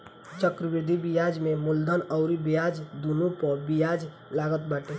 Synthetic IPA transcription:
t͡ʃəkɾəbid̪ʱibijad͡ʒmemuld̪ʱənəʊɾibijad͡ʒd̪unupəbijad͡ʒ | laɡət̪̚baʈe

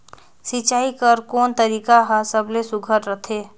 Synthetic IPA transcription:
sit͡ʃaːikəɾkoːnt̪əɾiːkaɦəsəblesʊɡʱəɾɾət̪ʰeː

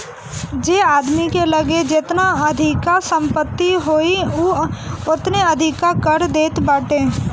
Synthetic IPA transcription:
d͡ʒeːaːd̪mikelɐɡed͡ʒɪt̪naɐd̪ʱɪkasə̃mpət̪ːiɦoːioʊt̪neɐd̪ʱɪkːakəɾd̪eːt̪baːʈẽː

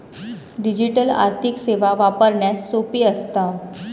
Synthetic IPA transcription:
ɖid͡ʑiʈəla̰ɾt̪ʰikseʋaʋapəɾɳjasopiːəst̪a

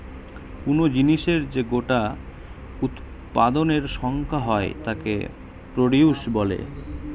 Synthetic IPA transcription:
kunod͡ʑiniʃeɾd͡ʑeɡoʈa | ut̪ | pad̪oneɾʃɔŋkʰaɦɔet̪akḛ | pɾoɽiuʃbɔlḛ

